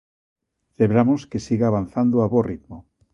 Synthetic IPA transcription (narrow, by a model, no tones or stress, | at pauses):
leβɾamoskesiɣaaβan̟θand̪oaβorit̪mo